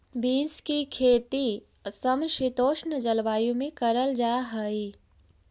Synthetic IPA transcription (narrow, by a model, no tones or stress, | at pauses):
bĩːnskikʰeːt̪i | səmʃit̪oːʃnəd͡ʒɐlʋaːjũmẽkɐɾəld͡ʒaːɦəi